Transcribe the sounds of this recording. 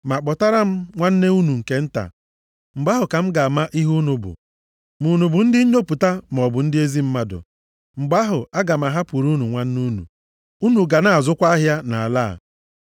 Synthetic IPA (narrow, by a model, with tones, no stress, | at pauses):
ma˨k͡pɔ˨ta˦ɾa˦m̩˦ŋʷa˦n̩˦ne˦u˦nu˨ŋ̩˨ke˦n̩˦ta̰˨ | m̩˨ɡ͡ba˦ɦʊ˨ka˨m̩˦ɡa˨a˨ma˦ʔi˦ɦu˦nu˨bʊ̰˨ | mu˨nu˨bʊ˨n̩˦dɪ˦ɲo˦pu˨ta˦m˨ɔ˨bʊ˨n̩˦dɪ˦e˦zi˦m̩˦ma˦dʊ̰˨ | ŋ͡m̩˨ɡ͡ba˦ɦʊ˨a˦ɡa˨ma˨ɦa˦pu˨ɾu˦nu˨ŋʷa˦n̩˦nu˦nṵ˨ | u˦nu˨ɡa˨na˨a˨zʊ˦kʷa˦a˦ɦja˦na˨a˨la̰˦˨